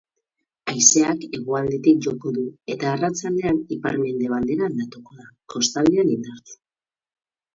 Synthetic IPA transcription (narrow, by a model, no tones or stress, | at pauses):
ajse̞ake̞ɣuald̪et̪ik̚ʝo̞ko̞ðue̞t̪aːrat͡sald̪e̞anipaɾme̞nd̪e̞β̞ald̪e̞ɾand̪at̪okoðako̞st̪ald̪eanind̪aɾt͡se̥